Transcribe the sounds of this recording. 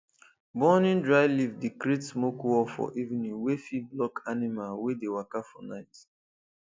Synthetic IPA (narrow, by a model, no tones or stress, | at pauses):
bɔnĩndɹaɪlivdikɾetsmokwɔfɔ̰ʔivnĩŋwefiblɔkanimalwedewakafɔnaɪt